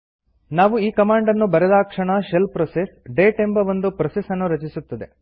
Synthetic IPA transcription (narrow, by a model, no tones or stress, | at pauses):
naːʋuiːkɐmaːɳɖɐnːubɐɾɛd̪aːkʂɐɳɐʃelpɾɔsesɖeːʈembɐʋond̪upɾɐsesɐnːuɾɐt͡ʃisut̪ːɐd̪e̞